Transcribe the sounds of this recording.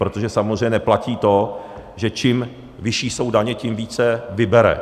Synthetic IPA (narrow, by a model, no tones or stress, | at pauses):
ɾo̞t̪oʒɛsamozr̝ɛjɲɛɛplaciːt̪o̞ | ʒɛt͡ʃɪm | vɪʃiːso̞wdaɲɛcɪmviːt͡sɛvɪbɛɾɛ̰